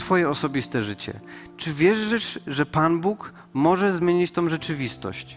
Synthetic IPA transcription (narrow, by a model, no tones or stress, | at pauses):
t̪fɔjɛɔsɔbʲist̪ɛʐɘt͡ɕɛ̰ | t͡ʂɘvʲjɛʐɘʂʐɛpanbuk | mɔʐɛzmʲjeɲit͡ɕt̪ɔ̃w̃ʐɛt͡ʂɘvʲist̪ɔ̰ɕt͡ɕ